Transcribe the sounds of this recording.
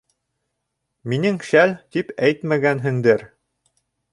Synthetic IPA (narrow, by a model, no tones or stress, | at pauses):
minɘŋʃælt̪ipæjt̪mæɡænɦɘ̆ŋd̪ɘɾ